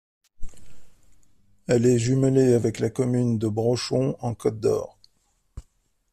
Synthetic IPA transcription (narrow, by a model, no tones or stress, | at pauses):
ɛlɛʒyməleavɛklakɔmynd̪əbʁɔʃɔ̃ɑ̃kɔt̪̚d̪ɔ̰ːʁ